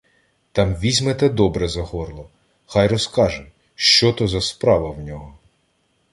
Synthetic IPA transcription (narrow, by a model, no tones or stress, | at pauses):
t̪ɑmʋʲizʲmet̪ɛd̪ɔbɾɛzɐɦɔrlˠɔ | xɑjɾɔskɑʒɛ | ʃt͡ʃɔt̪ɔzɐspɾɑʋɐwnʲɔɦɔ